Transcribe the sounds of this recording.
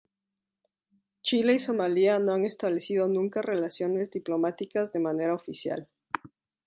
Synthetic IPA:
t͡ʃile̞iso̞maliano̞aŋe̞st̪aβle̞sið̞o̞nũŋkare̞lasjo̞ne̞zdiplo̞mat̪ikazðe̞mane̞ɾaofisja̰l

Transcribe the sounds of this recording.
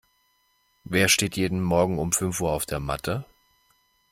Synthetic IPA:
veːɐʃteːtjeːdn̩mɔɐɡŋ̩ʊmfʏnfuːɐaʊfd̥eːɐma̰tʰə

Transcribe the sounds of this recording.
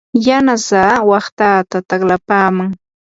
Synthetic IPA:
janasaːwɑχt̪aːt̪at̪aχlapaːmaŋ

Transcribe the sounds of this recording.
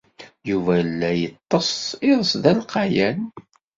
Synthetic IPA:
juvælːæjət̪ˤːəsɪðˤəsðælqɑjæn

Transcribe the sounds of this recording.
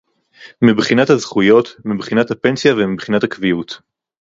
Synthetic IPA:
mibχinathazχujo̞tmibχinathape̞nsjavemibχinathakvijut

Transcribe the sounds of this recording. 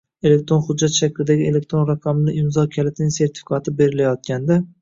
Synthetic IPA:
e̞le̞k̚ʲt̪ɾo̞nχʊd͡ʒːat̪ʃakʰʲlɪd̪aɡʲɪe̞le̞k̚ʲt̪ɾonɾaqʰɑmlɪʔɪmzɒkʲʰalɪt̪nɪŋseɾt̪ʰɪ̥fɪ̥kʰat̪ʰɪbe̞ɾɪlajɒt̪̚kʲʰand̪a

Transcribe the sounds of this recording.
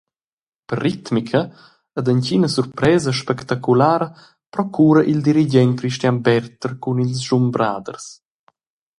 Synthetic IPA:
pərːit̪mikʰəː | d̪əncinəsuɾpɾɛːzəʃpɛkt̪akulaːɾə | pɾɔkʰuːɾəʔild̪iɾid͡ʒɛnkɾiʃt̪janbɛɾt̪əɾkunilsʒumbɾa̰ːd̪ə̰rs

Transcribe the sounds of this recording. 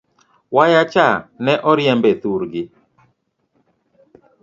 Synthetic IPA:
wajat͡ʃanɛʔɔɾjɛmbɛt̪uɾɡɪ

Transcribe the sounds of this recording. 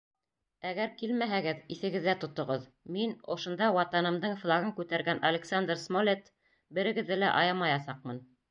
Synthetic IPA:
æɡæɾkilmæɦæɡɘðiθɘ̆ɡɘ̆ðːæt̪ŏt̪ŏʁɤð | minŏʃŏnd̪ɑwɑt̪ɑnɤ̆md̪ɤɴflˠɑɡɤɴkʉt̪æɾɡænʔɐlʲeksand̪rsmolʲet̪ | bɘ̆ɾɘ̆ɡɘ̆ðːɘlæ̰ʔɑjɑmɑjɑsɑq̚mɤn

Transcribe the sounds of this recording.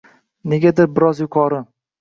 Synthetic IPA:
ne̞ɡʲad̪ɪɾbɪɾɒzjʊqʰɒɾɪ

